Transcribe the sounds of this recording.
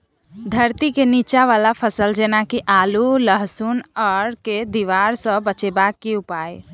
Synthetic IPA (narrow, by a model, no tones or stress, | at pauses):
d̪ʱəɾt̪ikenit͡ʃaʋalapʰəsəld͡ʒenakiʔaluləɦsunəɾked̪iʋaɾsə̃bət͡ʃebakːeupaj